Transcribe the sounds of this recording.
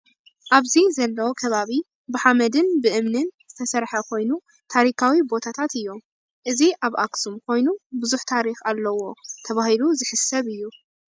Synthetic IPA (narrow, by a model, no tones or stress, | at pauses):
ʔaβzizɐlːɐwokʰɐβaβi | bɨħamɐd̪ɨnbɨʔɨmnɨnzɨt̪ʰɐsɐɾħɐkʰo̞jnu | t̪ʰaɾikʰawibo̞t̪ʰat̪ʰat̪ɨjːo̞m | ʔɨziʔaβʔaksumkʰo̞jnubɨzuħt̪ʰaɾixalːɐwo̞t̪ʰɐβahiluzɨħɨsɐβɨjːu